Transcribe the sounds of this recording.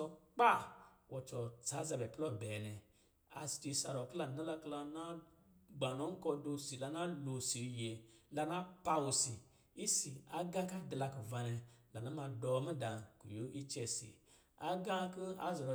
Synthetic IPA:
ɔ˧k͡pa˦˨wɔ˧t͡ʃɔ˧t͡sa˨˦za˧bɛ˨plɔ˦˨bɛ˨nɛ˧ | a̰˧si̥˨ti˧sa˧ɾɔ˨kla˧˨na˦la˧kla˧na˦ɡ͡ba˨nɔ˨˦ŋ̩˦kɔ˧do˧si˨la˧na˦lo˧si˨˧je˨la˧na˦pa˧wu˧si˨ | i˦si˨a˨ɡã˦ka˦dla˧ku˨va˧nɛ˧la˨na˦ma˧dɔ˧mi˦dã˨ku˨jo˦ʔi˦t͡ʃɛ˧sḭ˨ | a˦ɡã˦ki˦a̰˦zɔ˨ɾɔ˧˨

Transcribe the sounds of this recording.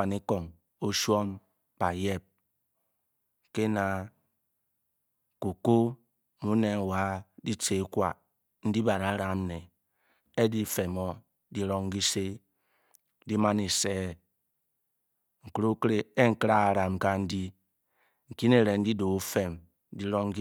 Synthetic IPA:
a˨ni˦kɔ˨ŋ | o˦ʃwɔ˦m | b̥a˨je˦p̚ | ke˦na˨ | ku˨ko˦ | mu˦ne˨ŋ˨wa˨˦di˦t͡ʃe˨˦kʷa̰˨ | n̩˦di˦ba˨ɾa˨˦ɾa˨m˦ne˨ | e˦di˦fe˨mɔ˦ | di˦ɾɔ˦ŋ˦ɡi˦se˦ | di˦ma˦ni˨seː˦˨ | ŋ̩˨kɾo˦kɾe˦e˦ŋ̩˨kɾa˦a˨ɾa˨m˨ka˦n̩˦di˦ | ŋ̩˨ki˦ne˨ɾe˨n̩˦di˦do˨u˦fe˨m˦ | di˦ɾɔ˦ŋ˦ɡ

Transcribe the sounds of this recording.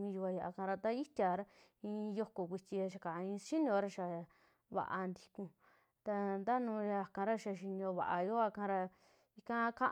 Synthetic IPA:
mĩ˧ju˧a˧ja˧ʔa̰˧kã˧ɾa˧t̪a˦i˦t̪ʲja˧ɾa˧ | ĩ˧jo˧ko˨kʷi˧t͡ʃʲi˧a˧ʃa˧˨kã˨˧ĩː˧sʃi˦nĩ˧o˧ɾa˧ʃa˨ | βa̰˨ʔa̰˧nd̪i˧kũ˧ | t̪a˧nd̪a˦nũ˧ja˧˨kã˧ɾa˦ʃa˧ʃi˧nĩ˧õ˧βa̰˨ʔa˧jo˦a˧kã˧ɾa˧ | i˧kã˧kã˦ʔ

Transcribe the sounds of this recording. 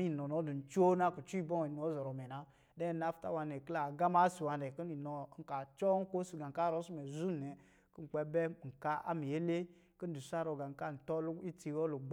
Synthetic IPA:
i˦˨nɔ˨nɔ˨˦du˨n̩˨t͡ʃo˦na˦ku˨t͡ʃu˦i˦bɔ˦ŋi˨n˨ɔ˦zɔ˨ɾɔ˨mɛ˨na˦ | dɛ˦˨na˦fta̰˦˨wa˨nɛ˨ki˦la˨ɡa˦ma˦si˨wa˨nɛ˨ki˦ni˨nɔ˨˦ŋ̩˨ka˨t͡ʃɔ˦ŋ̩˦ko˦si˨ɡa˨ŋ˨ka˦˨ɾɔ˦su˦mɛ˨zu˦˨nɛ˨ | ki˦ŋ͡m̩˨k͡pɛ˦bɛ˦˨ŋ̩˨ka˦ʔa̰˦mi˨je˦le˦ | ki˦n̩˦du˨sa˦ɾo˨ɡa˨ŋ̩˨ka˦˨n̩˨tɔ˦lu˦i˦ti˨wɔ˦lu˨ɡ͡b

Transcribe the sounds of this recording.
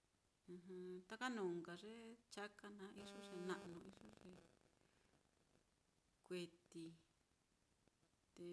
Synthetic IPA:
ɨ̃˧ɦɨ̃˧t̪a˦ka˦nũː˨ŋɡa˨ʐe˦t͡ʃa˦ka˦nã˨˦ʔi˦ʐo˦ʐe˨nã˧ʔnũ˧i˦ʐo˦ʐe˨ | kʷe˧t̪i˧ | t̪e˧

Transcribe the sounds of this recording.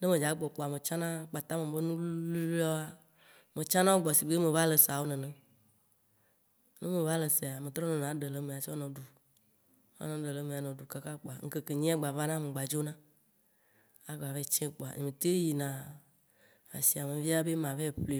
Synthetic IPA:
ne˦mẽ˨d͡ʒa˨˦k͡pɔ˨k͡po˨a˨mẽ˨t͡ʃã˦nã˦k͡pa˨t̪a˦mẽ˨be˦nũ˦lu˦lɔ˦a˨ | mẽ˨t͡ʃã˦nã˦wo˦ɡ͡bɔ˨si˨ɡ͡be˦mẽ˨va˦le˨sa˨wo˦nẽ˨nɛ̃˨ | ne˦mẽ˨va˦le˨se˨a˨mẽ˨t̪ɾɔ˦nẽ˨n˨ã˨˦ɖe˨le˨mẽ˨a˨si˦ɔ˦nɔ̃˨ɖu˨ | a̰˦nɔ̃˦ɖe˨le˨mẽ˨a˨nɔ̃˨du˨ka˦ka˦k͡po˨a˨˦ŋ̩˦ke˦ke˨ɲĩ˦a˦ɡ͡ba˨va˦nã˦me˨ɡ͡ba˨d͡ʒo˦nã˦ | a˨ɡ͡ba˨ve˦˨t͡ʃẽ˦k͡po˨a̰˨ɲḛ̃˨ẽ˨t̪e˦ji˨nã˨ | a̰˨si˨a˨mẽ˨vi˦a˦be˦mã˨ve˦˨ɸle˨

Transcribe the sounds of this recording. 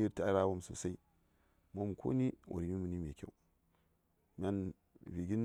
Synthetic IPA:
i˦ɾta˦ɾa˦wo˦mso̰˨sa˦i˦ | mo˦mkʰo̰˦ni˦wʔo̰˨ɾi˨˦mi˦mu˨ni˦me˨kʲḛ˦u˦ | mʲa˦n | vi˨ɡi˦n

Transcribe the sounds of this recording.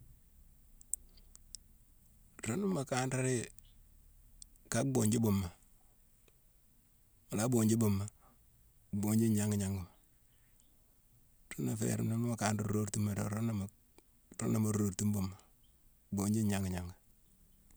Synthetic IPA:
ɾo˦nu˦ma˨ka˦nda˦ɾe˦ | ka˦k̚bo˨ɲd͡ʒi˦bo˨mːa˨ | ma˨la˦bo˨ɲd͡ʒi˦bo˨mːa˨ | bo˨ɲd͡ʒi˦ɲa˦ŋɡi˨ɲa˦ŋɡu˨ma˨ | ɾo˦na˨fḛ˨ɾo̰˨na˦n˦ma˨ka˨nda˦o˦ɾtu˦ma˨ɾo̰˨ɾo˦n˦˨ | ɾo̰˦na˨ma˨ɾo˨ɾtu˦mbo˨mːa˨ | bo˨ɲd͡ʒi˦ɲa˦ŋɡi˨ɲa˨ŋɡa˨

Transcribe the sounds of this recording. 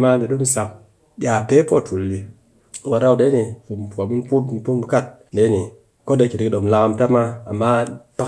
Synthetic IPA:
ma˦de˨do˦mi˦sa˨k̚ | ɓʲja˨pe˦po˦˨tʰu˨lːi˨˦ | wa˨ɾa˦u˨de˦ni˨fu˨m˨pa˨mu˦n˦pu˦t̩˨˦pu˦mlu˦ka˦˨t̚ | de˨˦ni˨ | ko˦de˨˦ki˨tki˨ɗo˨m˨la˧ka˧m˦pʲa˦maː˦˨mːa˦pa˦

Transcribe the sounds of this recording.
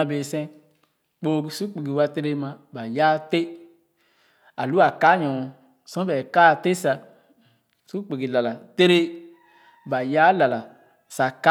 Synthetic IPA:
a˧beː˨sɛ̃˦ | k͡po˦ɡi˨su˦k͡pe˨ɡi˨wa˧te˦ɾe˦mã˧ba˨ja˦te˦ | a˨lu˦a˨ka˦ɲɔ̃˨ | sɔ̃˦bɛ˨ka˦˨te˦sa˧ | su˦k͡pe˨ɡi˨la˨la˨te˦ɾe˦ | ba˨ja˦la˨la˨ | sa˨ka˦

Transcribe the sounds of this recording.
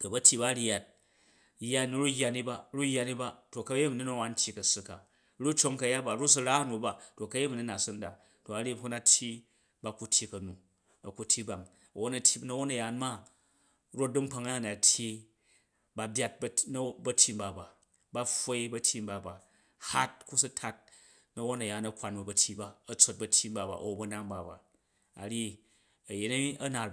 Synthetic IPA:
to˨bɐ˦tʲʰi˦ba˦ɾja˨t̚ | ja˦ni˦ɾu˦jʲːa˨˧ni˦ba˨ɾu˦jːa˧ni˦ba˦to˨kɐ˦je˦m˨ni˦nɐ˦˨wa˨˦n̩˦tʲʰi˦kɐ˨su˧ka˨˦ | ɾu˦t͡ʃo˧˦ŋkɐ˧ja˦ba˨ɾu˦s̬u˧ɾa˦nu˨ba˨to˨kɐ˦je˦mi˨ni˦na˨sɨ˦n˦da̰˨ | to˨a˨ɾi˦hu˦na˦tʲʰji˦ | ba˧ku˨tʲʰi˦kɐ˨nu˨ | ɐ˨ku˨tʰʲːi˦ba˨ŋ | ɐ˨wo˦nɐ˨tʲi˦nɐ˦wo˦nɐ˨ja˨nma˦ | ɾo˦t̚du˦mk͡pa˧ŋ˦˨na˨tʲʰji˦ | ba˧bʲa˦t̚bɐ˦nɐ˦bɐ˦tʲʰi˦mba˨ba˨ | ba˦ɸʷo˦i˦bɐ˦tʲi˦mba˨ba˨ | ha˦t̚ku˦su˦tʰa˦t̚ | nɐ˦wo˦nɐ˨jaː˨˦nɐ˦kʷa˨nbɐ˨bɐ˨tʲi˦ba˦ɐ˨t͡so˦t̚bɐ˦tʲːi˦mba˨ba̰˨ʔo˨bɐ˦na˦ŋba˨ba̰˨ | a̰˨ɾi˦ | ɐ˨je˨nɐ˦i˦ɐ˦na˨

